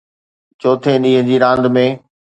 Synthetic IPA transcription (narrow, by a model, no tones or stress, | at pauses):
t͡ɕoːt̪ʰeɗĩːɦə̃d͡ʑiːɾãːnd̪mẽː